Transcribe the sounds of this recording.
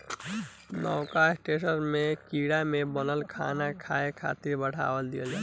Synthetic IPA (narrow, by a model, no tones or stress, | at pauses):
nɔːkaɪsʈeːʃənmẽkiːɽamẽbənəlkʰa̰ːnakʰaːekʰa̰ːt̪ɪɾbəʈʰa̰ːwəld̪ijəld͡ʒaː